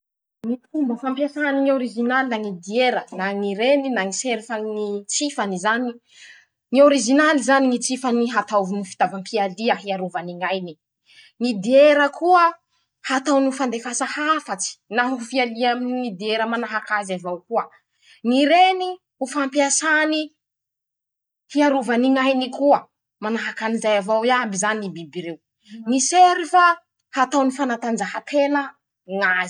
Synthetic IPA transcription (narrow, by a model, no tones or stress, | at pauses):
ŋit̪umbəfampjasaniŋioɾizinalinaŋid̪ieɾənaŋiɾeninaŋiseɾfaŋit͡sifanizani | ŋioɾiʒinalizaniŋit͡sifaniɦat̪avunufi̥t̪avampʰialiaɦiaɾuvaniŋajni | ŋid̪ieɾəkʰuə | hat̪awnufand̪efasahafat͡si̥naɦuufialiamininid̪ieɾəmanaɦakazavawkuə | niɾeni | ufampiasani | hiaɾuvaniŋajnikuə | manaɦakanizajavawiabizaninibibiɾew | niseɾifa | hat̪awnifanat̪and͡ʒahat̪ʰenə | ŋazi̥